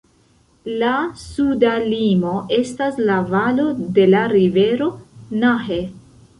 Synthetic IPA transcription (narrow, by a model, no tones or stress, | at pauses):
lasudalimo̞ʔe̞staslavalo̞de̞laɾive̞ɾo̞naɦe